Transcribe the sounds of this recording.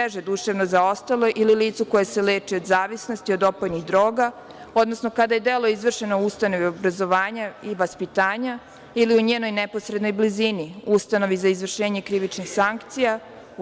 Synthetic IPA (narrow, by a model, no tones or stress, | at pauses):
eʒed̪uʃaʋno̞zao̞st̪alˠo̞ʔililiːt̪suko̞jesele̞ːt͡ʂio̞d̪zaːʋisno̞st̪iod̪o̞pojniɣd̪ɾo̞ːɡa | o̞d̪no̞sno̞kad̪aje̞d̪elˠo̞izʋr̩ʃe̞noust̪ano̞ʋiobɾazo̞ʋaːɲaiʋaspit̪aːɲa | iliuɲeːno̞jnepo̞sɾed̪no̞jbliziniust̪ano̞ʋizaizʋr̩ʃe̞ːɲe̞kɾiʋit͡ʃnixsaŋkt̪sija